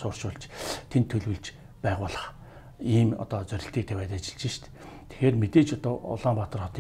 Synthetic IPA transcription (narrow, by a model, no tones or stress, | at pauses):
sʊːr̥ʃʊɮt͡ɕt̪ʰent̪ʰːɵɮwɘ̆ɮt͡ɕ | pæːʁʊːɮə̆χ | iːmɔ̰t̪ɔːt͡sœɾʲɪ̆ɬt̪iːk̚t̪ʰeːpæːt̪at͡ɕɪ̥̆ɮt͡ɕɪ̆ʃt̪ | t̪ʰe̥xeːrmet̪eːt͡ɕɔt̪ɔːʊ̰ɮaːmpat̪ə̆rχɔt̪ː